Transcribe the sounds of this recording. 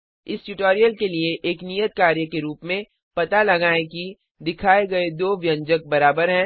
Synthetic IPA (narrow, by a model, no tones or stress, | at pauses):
ɪsʈuʈoːɾijəlkelieʔeːknijət̪̚kaːɾjəkeɾuːpmẽ | pɐt̪alɐɡaːẽki | d̪ɪkʰaːeɡɐed̪oːʋjə̃ɲd͡ʒək̚bɐɾaːbəɾɦɛ̃